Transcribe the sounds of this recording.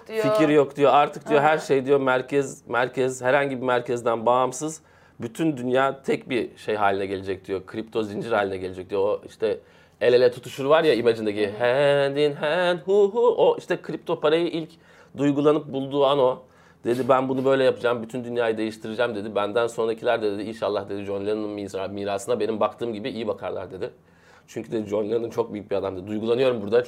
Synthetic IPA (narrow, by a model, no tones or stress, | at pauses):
ficʰiɾjo̞kd̪ijo̞aɾt̪ʰɯk̚d̪̥ijo̞ɦæɾʃejd̪ijo̞mæɾcʰɛzmæɾcʰɛzhæɾhaɲɟibimæɾcʰɛzd̪ænbaːmsɯz | byt̪ʰynd̪ynjaːt̪ʰɛcbiʃejɦaːlʲinɛɟe̞lʲed͡ʒɛc̚d̪ijo̞kʰɾip̚t̪ʰo̞zind͡ʒiɾhaːlʲinɛɟe̞lʲed͡ʒɛc̚d̪ijooiʃt̪ʰɛ | e̞lʲelʲɛt̪ʰut̪ʰuʃuɾvaɾjaimad͡ʒɯnd̪aciɦɛnd̪inɦɛnhuɦuoʔiʃt̪ʰɛkʰɾip̚t̪ʰo̞pʰaɾajɯʔilʲc | d̪ujɡulˠanɯp̚bulˠd̪uːano̞ | d̪̥e̞d̪ibænbunubø̞jlʲɛjapɯd͡ʒaːmbyt̪ʰynd̪ynjaːjɯd̪e̞jiʃt̪ʰɯɾɯd͡ʒaːmd̪e̞d̪ibænd̪ænso̞nɾaicʰilʲæɾd̪ɛd̪eiinʃalˠːahd̪e̞d̪id͡ʒo̞nlʲenɯnminsanabmiːɾaːsɯnabe̞nimbakt̪ʰɯːmɟibiijibakʰaɾlˠa̰ɾd̪e̞d̪ɪ | t͡ʃʰyɲcʰyd̪ed̪id͡ʒo̞nlʲenɯnt͡ʃʰo̞k̚byjyc̚ʲbiad̪amd̪ed̪id̪ujɡulˠanɯjo̞ɾumbuɾd̪a